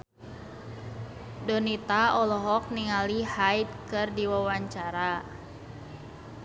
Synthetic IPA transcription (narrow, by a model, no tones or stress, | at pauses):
dɔnit̪aɔlɔɦɔk̚niŋalihait̪̚kɨrdiwawaɲt͡ʃaɾa